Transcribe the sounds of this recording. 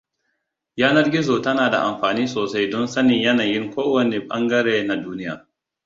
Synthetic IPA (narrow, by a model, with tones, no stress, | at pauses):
jaː˦nɐ˦rɡʲɪ˦zoː˨tɐ˦naː˨da̰˨ʔa˨mɸaː˨niː˦soː˨sa˦jdɔ˦nsɐ˦nɪ˨ɲjɐ˦naː˨jɪ˦ŋkʷoː˦wɐ˨ne˨ɓɐ˦ŋɡɐ˦ɽeː˦na˨duː˦nɪ˦ja̰ː˨